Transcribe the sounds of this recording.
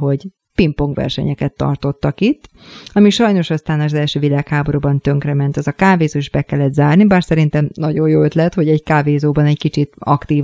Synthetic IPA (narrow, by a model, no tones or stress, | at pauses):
ɦo̞ɟ | pimpo̞ŋkʋɛ̰rʃɛ̰ɲɛkɛt̪ːɒ̰rt̪o̞t̪ːɒkit̪ː | ɒmiʃɒjno̞ʃɒst̪aːnɒzɛlʃøːvilaːkhaːbo̞ɾuːbɒnt̪ø̞ŋkrɛmɛnt̪ɛzɒkaːveːzoːiʒbɛkɛlːɛd̪zaːrnibaːrsɛɾint̪ɛmnɒɟo̞jjoːøt̪lɛt̪ho̞ɟɛɟkaːveːzoːbɒnɛckit͡ʃit̪ɒ̰kt̪iːv